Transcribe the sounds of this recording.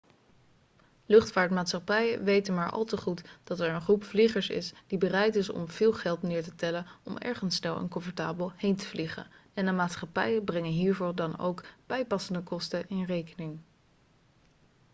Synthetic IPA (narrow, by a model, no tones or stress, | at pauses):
lɵχtfaːɹtmaːtsχɑpɛjə̰ʋejtənmaːɹʔɑ̰lˠtəχutd̥ɑtɛɹənχrupfliχəɹsɪ̰sd̥ibərɛjtɪsɔ̰mv̥ɪːlˠχɛlˠtnɪːɹtətɛlənɔ̰mɛ̰ɹχənsːnɛlˠɛ̰nkɔɱfəɹta̰ːbəlˠhejntə̥vliχə̰nɛndəmaːtsχɑpɛjəbrɛŋənɦiːɹvʊːɹdɑno̰wkb̥ɛjpɑsəndəkɔstəʔɪnrejkənɪŋ